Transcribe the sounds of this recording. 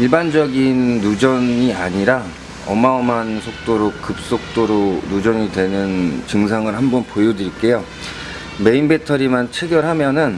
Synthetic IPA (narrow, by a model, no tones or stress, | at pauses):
iɭband͡ʑʌɡinːud͡ʑʌniaɲiɾa | ʌmaʌmansʰok̚t͈oɾok͈ɯp̚s͈ok̚t͈oɾonud͡ʑʌŋidwe̞nɯnt͡ɕɯŋs̬ʰaŋɯɭhambʌnpojodɯɾik͈e̞jo | me̞inbe̞tʰʌɾimant͡ɕʰeɡjʌɭɦamjʌnɯn